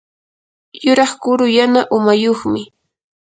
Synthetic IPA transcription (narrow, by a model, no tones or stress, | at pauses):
jʊɾɑχkʊɾʊjanaʔʊmajoχmɪ